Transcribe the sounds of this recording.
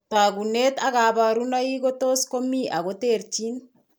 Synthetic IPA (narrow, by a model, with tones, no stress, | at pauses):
ta˨ɡu˨ne˦t̪a˦ɣa˨βa˨ɾu˦na˦i˦ɡo˦to˦sko˦mi˦ʔa˨ɣo˦te˦˨ɾt͡ʃi˦n